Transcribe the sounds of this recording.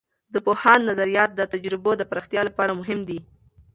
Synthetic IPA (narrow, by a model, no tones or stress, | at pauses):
d̪əpohɑnːazaɾijɑt̪̚d̪ət̪ad͡ʒɾɪbod̪əpɾɑxt̪jɑlapɑɾamʊɦɪmd̪i